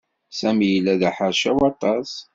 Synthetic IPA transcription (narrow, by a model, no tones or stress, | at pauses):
sæmijəlːæðaħəɾˤʃæwɑt̪ˤɑs